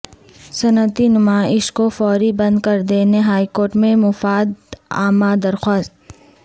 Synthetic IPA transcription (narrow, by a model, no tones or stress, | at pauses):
sɐnət̪inʊmaːɪʃkofɔːɾibɐ̃nd̪kɐɾd̪eːneɦaːikoːɾʈmẽmʊfaːd̪a̰ːmad̪ɐɾxwaːst̪